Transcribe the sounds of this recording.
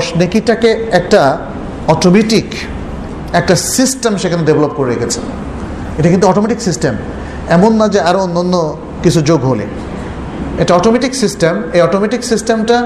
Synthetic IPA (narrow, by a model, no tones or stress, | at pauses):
ʃnekiʈakeɛk̚ʈa | ɔʈomeʈik | ɛk̚ʈasisʈemʃekʰanedebelop̚koɾeɾḛɡet͡ɕʰe̥̰ | eʈakint̪uɔʈomeʈiksisʈem | ɛmonːad͡ʑeaɾoonːanːo | kit͡ɕʰud͡ʑoɡɦolḛ | eʈaɔʈomeʈiksisʈemejɔʈomeʈiksisʈemʈa